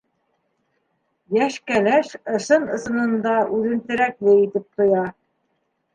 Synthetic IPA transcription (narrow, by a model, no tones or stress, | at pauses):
jæʃkælæʃɤ̆ʃɤnɤ̆sɤ̆nɤ̆nd̪ɑʔʉðɘ̆nt̪ɘ̆ɾæklɘit̪ɘp̚t̪ŏjɑ